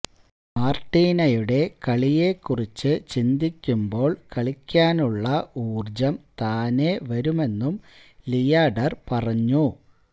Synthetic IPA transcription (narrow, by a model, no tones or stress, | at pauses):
maːrʈːiːnɐjuɽe̞kɐɭijekːurit͡ɕːɨt͡ɕind̪ikʲːumbo̞ːɭkɐɭikʲːaːnuɭːɐuːrd͡ʑɐmt̪aːneʋɐɾume̞nːum | lijaːɖɐrpɐrɐɲːu